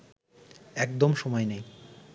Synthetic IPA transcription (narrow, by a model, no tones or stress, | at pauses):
ɛkd̪omʃɔmɔenej